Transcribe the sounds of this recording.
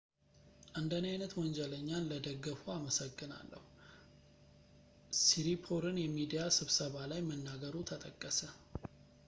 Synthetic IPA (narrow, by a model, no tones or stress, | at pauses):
ʔand̪ənajnət̪wɔɲd͡ʒɛləɲːanləd̪əɡːəfuaməsəɡːɨna̰lːə̰hu | siɾipʰoɾɨnjɛmid̪ijasɨβsəβalajmənːaɡəɾut̪ʰət̪ʼəkʼːəsə